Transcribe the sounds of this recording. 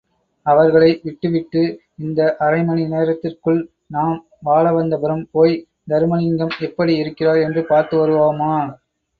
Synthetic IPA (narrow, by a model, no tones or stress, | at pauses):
ɐʋɐɾɣɐɭɐɪʋɪʈːɯʋɪʈːɯ | ɪnd̪ɐʔɐɾɐɪmɐnineːɾɐt̪ːɪrkɯɭ | naːm | ʋaːɭɐʋɐnd̪ɐpɐɾɯmpoːj | d̪ɐɾɯmɐnɪŋɡɐmɛpːɐɽiɪɾɯkːɪraːɾɛndrɯpaːɾt̪ɯʋɐɾɯʋaːɯmaː